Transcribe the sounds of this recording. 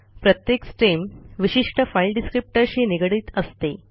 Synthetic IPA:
pɾət̪jeksʈɾimʋiɕiʂʈəfajlɖiskɾip̚ʈəɾɕiːniɡɽiːt̪əst̪e

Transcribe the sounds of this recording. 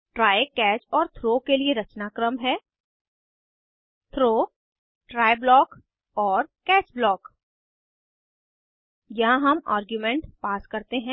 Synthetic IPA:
ʈɾaːjekɛːt͡ʃɔːɾt̪ʰɾoːkelieɾɐt͡ʃnaːkɾəmɦɛː | t̪ʰɾoː | ʈɾaːeblɔːk | ɔːɾkɛːt͡ʃblɔːk | jɐɦãɦɐma̰ːɾɡjumẽɳʈpaːskɐɾt̪eɦɛ̃ː

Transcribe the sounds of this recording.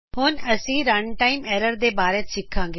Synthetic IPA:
ɦʊnɐsĩːɾɐɳʈaːɪmɛːɾəɾd̪eːbaːɾet̪sɪkʰːãːŋɡe

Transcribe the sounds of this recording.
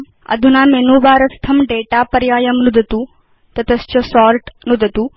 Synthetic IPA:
ɐ̰d̪ʱunamenubaɾɐst̪ʰːɐmɖeʈapɐɾjaːjɐmnud̪ʱət̪u | t̪ɐt̪əst͡ɕɐsɔɾʈnud̪ʱət̪u

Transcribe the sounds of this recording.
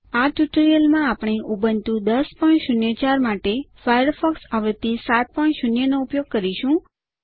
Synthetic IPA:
aʈuʈəɾijəlmãapɳ̃eʔubənt̪ũd̪əspəʃʊnjət͡ʃaɾmaʈefajəɾfɔksaʋɾt̪isat̪̚pəɳʃʊnjənoupjoɡ̚kəɾiʃũ

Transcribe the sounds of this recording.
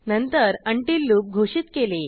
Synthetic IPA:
nənt̪əɾəɳʈiːlːuːp̚ɡʱoɕiːt̪kele

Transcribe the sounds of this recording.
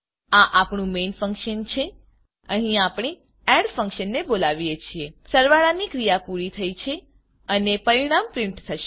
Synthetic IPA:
aʔapɳũmenfə̃ŋkʃənt͡ʃʰe | əɦĩapɽ̃e | ɛɽfə̃ŋkʃənːebolaʋijet͡ʃʰiesəɾʋaɭanikɾijapuɾit̪ʰəit͡ʃʰe | ənepəɾiɽ̃ampɾɪ̃ɳʈt̪ʰəʃe̥

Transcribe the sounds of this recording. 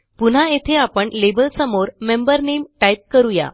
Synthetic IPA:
pun̤aet̪ʰeapəɳlebəlsəmoɾmembəɾnemʈajp̚kəɾuja̰

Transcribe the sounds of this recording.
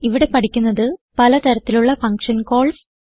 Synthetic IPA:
iʋiɽe̞pɐʈikʲːunːɐðɨpɐlɐt̪ɐɾɐt̪ːiluɭːɐfɐŋkʂɐnko̞ːɭs

